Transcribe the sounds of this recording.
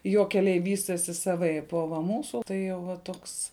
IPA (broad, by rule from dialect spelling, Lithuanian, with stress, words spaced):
ˈjoː kʲɛˈlʲɛɪ ˈʋʲiːsʲtʲɛsʲɪ sɐˈʋɐɪp oː ʋɐ ˈmuːsʊ tɐɪ jɛʊ ˈʋɐ ˈtoːks